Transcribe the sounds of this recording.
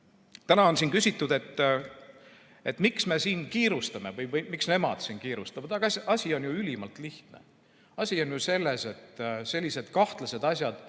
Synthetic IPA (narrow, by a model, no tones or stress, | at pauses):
t̪ænɑo̞nsiːnkysit̪ːˑud̪̥e̞t̪ː | et̪ːˑmiksme̞siːnkiːɾust̪ɑme̞vɤjvɤjmiksne̞mɑ̰d̪̥siːnkiːɾust̪ɑvɑd̪̥ɑɡ̥ɑɑsʲio̞njuylʲimɑlt̪ˑliht̪nḛ | ɑsʲio̞njuse̞lːe̞se̞t̪ːse̞lʲːise̞d̪̥kɑht̪lɑse̞d̪̥ɑsʲjɑd̪̥